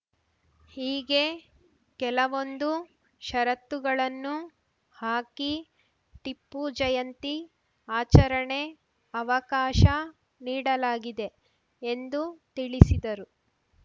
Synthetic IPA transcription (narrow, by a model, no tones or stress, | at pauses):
hiːɡe̞ | kɛlɐʋo̞nd̪u | ʃɐɾɐt̪ːuɡɐɭɐnːu | haːki | ʈipːud͡ʒɐjɐnt̪i | aːt͡ʃɐɾɐɳe̞ | ɐʋɐkaːʃɐ | niːɽɐlaːɡid̪e̞ | end̪ut̪iɭisid̪ɐɾu